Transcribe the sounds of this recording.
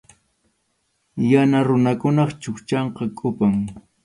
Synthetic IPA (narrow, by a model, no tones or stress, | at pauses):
janaɾʊnakʊnɑχt͡ʃʊkt͡ʃɑɴqɑkʼʊpaŋ